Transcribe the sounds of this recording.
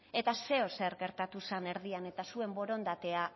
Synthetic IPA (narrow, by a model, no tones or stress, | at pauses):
e̞t̪ase̞ose̞ɾɣe̞ɾt̪at̪usane̞ɾðiane̞t̪asue̞mbo̞ɾo̞nd̪at̪e̞a